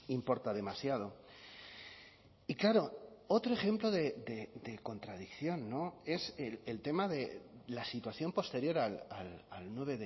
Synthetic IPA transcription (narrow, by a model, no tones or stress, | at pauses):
impo̞ɾt̪aðe̞masjað̞o̞ | iklaɾo̞o̞t̪ɾo̞e̞xe̞mplo̞ðe̞d̪e̞d̪e̞ko̞nt̪ɾað̞ikθjo̞nːo̞e̞selelt̪e̞maðelasit̪waθjo̞mpo̞st̪e̞ɾjo̞ɾalalalnwe̞β̞e̞ðe